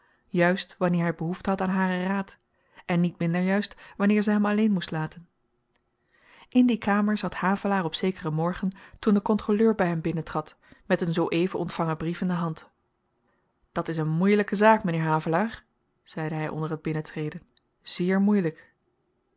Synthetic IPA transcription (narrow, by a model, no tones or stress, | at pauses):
jœɥstʋɑnɪːɹɦɛjbəɦuftəɦɑtaːnɦaːrəraːt | ʔɛnːitmɪndəɹjœɥstʋɑnɪːɹzɛjɦɛmɑlejnmustlaːtən | ʔɪndikaːməɹzɑthaːvəlaːɹɔpsejkərəmɔɹχəntundəkɔntroløːɹbɛjɦɛmbɪnəntrɑt | mɛtənzowʔejvəʔɔntfɑŋəbrifɪndəɦɑnt | d̥ɑtɪsənmujləkəzaːkmənɪːɹɦaːvəlaːɹ | z̥ɛjdəɦɛjʔɔ̰ndəɹɦəd̚bɪnətrejdən | z̥ɪːɹmujlək